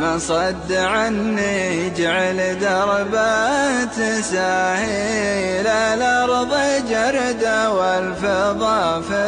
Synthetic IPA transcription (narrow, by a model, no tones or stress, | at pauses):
masˤɑd̪ːʕanːid͡ʒaʕald̪ɑɾˤbat̪ɪsaːhilalɑɾˤðˤid͡ʒaɾd̪awalfɪðˤɑfɪ